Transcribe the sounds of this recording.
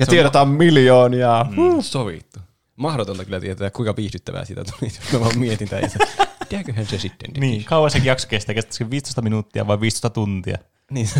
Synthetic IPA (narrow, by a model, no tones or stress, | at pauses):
jɑt̪ieɾot̪ɑmmiljoːniɑsoʋḭˑt̪ːu | mɑhɾot̪ont̪ɑkylːˑæt̪iet̪æt̪ːækuikɑpiːstyt̪ːæʋæ̰ːsit̪æt̪u̥lisnoʋɑmmiet̪int̪æ̰ːjɑ̰t̪et̪iæːkkøhænsesit̪ːḛnt̪eniːiŋkɑuɑsekjɑkso̥kest̪ːækest̪t̪ːskiʋʋiːst̪oest̪ɑminut̪ːiɑ̰ʋɑiʋʋiːst̪oest̪ɑt̪unt̪iɑ̰ | niː